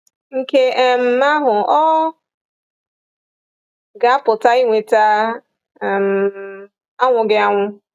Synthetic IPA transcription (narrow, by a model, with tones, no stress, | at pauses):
ŋ̩˨ke˦m̩˨ma˦ɦʊ˨ɔ˦ | ɡa˨a˦pʊ˨ta˦i˦ŋʷe˨ta˦˨ | m̩˨ | a˦ŋʷʊ˨ɡɪ˦a˦ŋʷʊ˦